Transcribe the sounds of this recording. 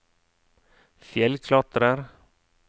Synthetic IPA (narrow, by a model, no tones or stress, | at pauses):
fjɛlkʰlɑt̪ɾəɾ